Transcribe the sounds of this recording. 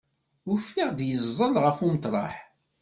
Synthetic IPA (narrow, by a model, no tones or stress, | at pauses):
ʊfːiʁðjəzˤːəlʁəfumət̪ˤɾˤɑ̰ħ